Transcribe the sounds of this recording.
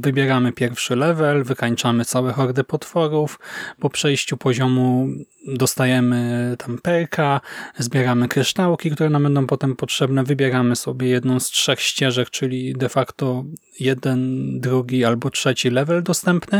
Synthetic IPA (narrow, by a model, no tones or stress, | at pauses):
vɘbʲjɛɾamɘpʲjɛɾfʂɘlɛvɛlvɘkaɲt͡ʂamɘt̪sawɛxɔɾd̪ɘpɔt̪fɔɾufpɔpʂɛjɕt͡ɕupɔʑɔmu | d̪ɔst̪ajɛmɘt̪ampɛɾkʰazbʲjɛɾamɘkɾɘʂt̪awkʲikt̪uɾɛnambɛnd̪ɔ̃w̃pɔt̪ɛmpɔtʂɛbnɛvɘbʲjɛɾamɘsɔbʲjɛjɛd̪nɔ̃w̃stʂɛxɕt͡ɕɛʐɛk̚t͡ʂɘlʲid̪ɛfakt̪ɔ | jɛd̪ɛnd̪ɾuɡʲialbɔtʂɛt͡ɕilɛvɛld̪ɔst̪ɛmpnɘ